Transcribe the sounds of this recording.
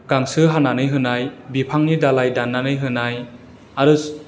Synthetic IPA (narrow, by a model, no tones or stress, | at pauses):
ɡ̥aŋsɯɦananɯjɦɯnajbipʰaŋnidalajdanːanɯjɦɯnaj | aɾɯ